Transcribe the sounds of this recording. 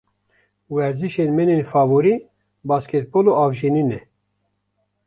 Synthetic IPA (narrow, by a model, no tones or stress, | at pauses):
wɛɾziʃenmɛnenfɑːvoɾi | bɑːsket̪̚boloʔɑːvʒininɛ